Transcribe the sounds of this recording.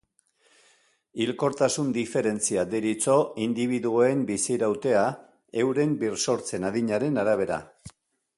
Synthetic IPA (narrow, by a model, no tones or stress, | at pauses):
ilko̞ɾt̪asund̪ife̞ɾe̞nt͡siad̪iɾit͡so̞ind̪iβ̞iðuoembisiɾawt̪e̞a | e̞wɾe̞mbirso̞ɾt͡se̞naðiɲaɾe̞naɾaβ̞e̞ɾa̰